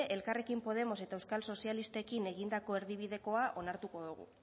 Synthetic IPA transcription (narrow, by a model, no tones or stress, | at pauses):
ʔelkare̞kimpo̞ð̞e̞mo̞se̞t̪aewskalso̞sialist̪e̞kine̞ɣ̞ind̪ako̞e̞ɾðiβ̞iðe̞ko̞aʔo̞naɾt̪uko̞ðuɣ̞ṵ